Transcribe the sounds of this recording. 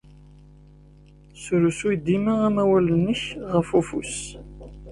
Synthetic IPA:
sɾusujd̪iməʁæmæwælənəçʁəfufṵs

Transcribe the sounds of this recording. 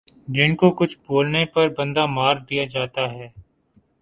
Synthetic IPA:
d͡ʒɪnkokʊt͡ʃʰboːlnepɐɾbə̃nd̪amaːɾd̪ijad͡ʒaːt̪aɦɛː

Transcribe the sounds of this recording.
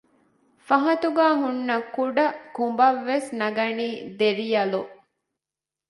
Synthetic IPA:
fɐɦɐt̪uɡaːɦunːɐkuɖɐkumbɐʋːesnɐɡɐniːd̪eɾijɐluʔ

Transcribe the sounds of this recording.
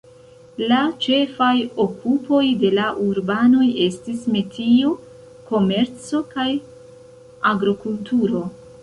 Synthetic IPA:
lat͡ʃe̞fajo̞kʰupo̞jde̞laʔuɾbano̞je̞stisme̞tʰio | ko̞me̞ɾt͡so̞kaj | aɡɾokultuɾo̞

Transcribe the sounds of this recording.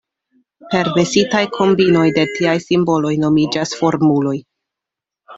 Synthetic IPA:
pe̞ɾve̞sitajkʰo̞mbino̞jde̞tiajsimbo̞lo̞jno̞mid͡ʒasfo̞ɾmulo̞j

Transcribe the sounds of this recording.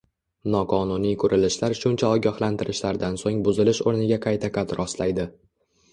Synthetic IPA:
nɒqʰɒnʊnijkʰɵɾʔɪlɪʃlaɾʃʊnt͡ʃʰaɒɡʲahlant̪ʰɪɾɪʃlaɾd̪ansoŋbʊzɪlɪʃoɾnɪɡʲaqʰɑjt̪ʰaqʰɑt̪ɾɒst̪lajd̪ɪ

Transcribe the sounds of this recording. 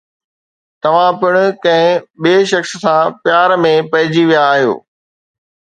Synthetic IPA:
t̪ɐʋ̤ãpɪɽ̃ʊ̆kɐ̃ɦɪ̃ɓieːʃɐxssãpjaːɾmẽpɐɦɪd͡ʑiʋijaːɦijo̰ː

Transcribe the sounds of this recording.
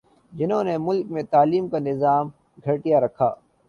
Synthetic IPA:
d͡ʒɪnɦõːnemʊlkmẽt̪aːliːmkanɪzaːm | ɡʱɐʈijaɾɐkʰa̰ː

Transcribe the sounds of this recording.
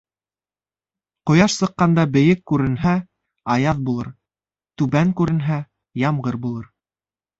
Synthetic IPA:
qŏjɑʃsɤ̆qːɑnd̪ɑbɘ̆jɘkːʉɾɘ̆nɦæ | ɑjɑðbulˠɤɾ | t̪ʉβæŋkʉɾɘ̆nɦæ | jɑmʁɤɾbulˠɤɾ

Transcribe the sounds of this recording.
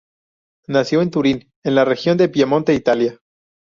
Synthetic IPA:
nasjo̞e̞nt̪uɾin | e̞nlare̞xjo̞nd̪e̞pjemont̪e̞it̪alja

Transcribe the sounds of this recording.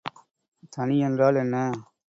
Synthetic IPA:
t̪ɐniɛndraːlɛnːɐ

